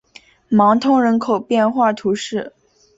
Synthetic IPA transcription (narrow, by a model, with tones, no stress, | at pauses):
mɑ˧˥ŋt̪ʰʊ˧˥ŋɻə˧˥nkʰo˨˩ʊpjɛ˥˧nxwa˥˩t̪ʰu˧˥ʂɻ̩˥˩